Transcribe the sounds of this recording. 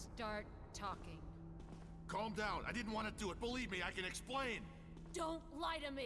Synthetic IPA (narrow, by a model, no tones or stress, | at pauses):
stɑɹtʰɔkɪ̃ŋ | kʰɔmdãʊ̃nʔa̰ɪdɪdⁿn̩t̚wɑ̃nɨdɨət̚b̥əlivmiaɪkɨ̃nɨksplẽɪ̃n | d̥õʊ̃ntlaɪɾɨmi